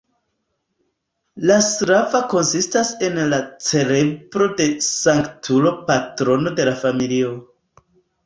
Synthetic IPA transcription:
lasɾavako̞nsistase̞nlat͡se̞le̞bɾo̞de̞saŋktʰulo̞patɾo̞no̞de̞lafamilio̞

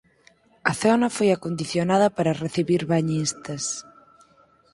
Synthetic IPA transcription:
ɐθɔnɐfojakond̪iθjonaðɐpaɾɐreθiβiɾβaɲist̪ɐs

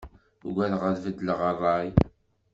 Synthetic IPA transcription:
ɡʷæðʁəðvəd̪ləʁɑrˤɑj

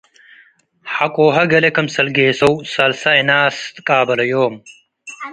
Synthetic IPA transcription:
hɐkoːɦɐɡɐlekɐmsɐlɡeːsɐwsɐlsɐinaːst̪kaːbɐlɐjoːm

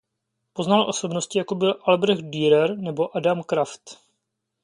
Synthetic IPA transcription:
po̞znalʔo̞so̞bno̞scɪjako̞bɪlʔalbɾɛxt̪̚diːɾɛɾnɛbo̞ʔadamkɾaft̪

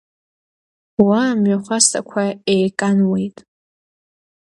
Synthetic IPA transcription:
wamɥaχʷastʰʼa̰kʷʰaejkʼanwejtʼ

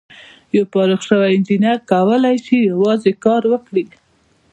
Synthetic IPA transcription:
jawpɑɾuxʃəwaɪnd͡ʒinaɾkawəlajʃijawɑzekɑɾwəkɽi

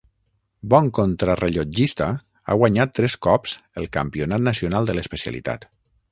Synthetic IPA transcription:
bɔŋkont̪ɾarəʎod͡ʒist̪a | a̰ɣwaɲat̪ːɾɛskɔpz̥əlˠkampionat̪̚nəsionalˠd̪ələspəsia̰lḭt̪a̰t̪

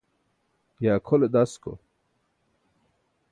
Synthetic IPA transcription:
jaːkʰoled̪asko̰

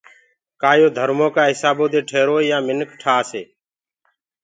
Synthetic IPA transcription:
kaːjoːd̪ʱəɾmõːkaːɦɪsaːboːd̪eːʈʰeːɾoːiːjaːmɪnkʈʰaːseː

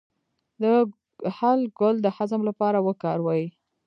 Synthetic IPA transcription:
d̪ə | halɡʊld̪əhazəmlapɑɾawəkɑɾwɑji

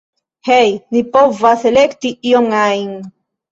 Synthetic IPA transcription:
hejnipovaselɛkt̪iioŋajŋ

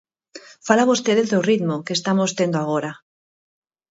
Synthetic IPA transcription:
falaβost̪eðezðorit̪mokest̪amost̪end̪oaɣ̞oɾa

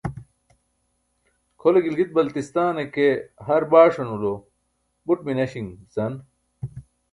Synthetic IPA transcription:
kʰoleɡilɡit̪̚bɐlt̪ist̪aːnekeɦɐɾbaːʂonulo | buʈ̚minɐɕiŋzɐn

